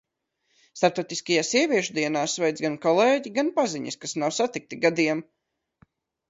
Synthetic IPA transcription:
st̪aɾp̚t̪ɔwt̪iskajaːsiɛvʲiɛʃud̪iɛnaːsvɛjd̪zɡankɔlˠeːɟiɡanpaziɲḭskasnawsat̪ik̚t̪iɡad̪iɛm

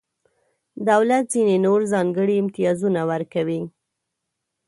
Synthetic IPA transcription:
d̪awlat̪zinenoɾzɑŋɡəɽiɪmt̪ɪjɑzunawaɾkawi

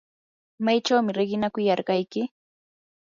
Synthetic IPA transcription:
majt͡ʃawmɪɾɪɢɪnakʊjɑɾɢɑjkɪ

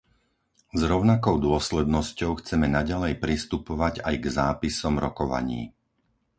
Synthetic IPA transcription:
zɾɔʊnakɔʊd̪ʊɔslɛd̪nɔscɔʊxt͡sɛmɛnaɟalɛjpɾist̪upɔʋaɟajɡzaːpisɔmɾɔkɔʋa̰ɲḭː

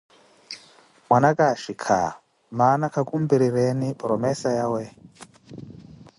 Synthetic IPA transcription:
mwanakʼaʃikʰa̰ | manakʰakʼumbiɾiɾɛnipʼɔɾɔmɛsajawɛ

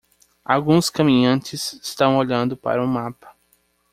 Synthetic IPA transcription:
awɡũskɐmĩɲɐ̃nt͡ʃɪsɪst̪ɐ̃w̃oʎɐ̃nd̪ʊpa̰ɾɐũmapɐ̥

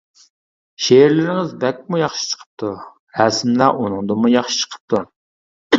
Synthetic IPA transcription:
ʃeɾlɪɾɪŋɪzbɛk̚ʲmujɑχʃi̥t͡ʃʰə̥qʰə̥p̚t̪ʰu | ɾæsmlæʔunɨŋd̪ɨmujɑχʃi̥t͡ʃʰə̥qʰə̥p̚t̪ʰu

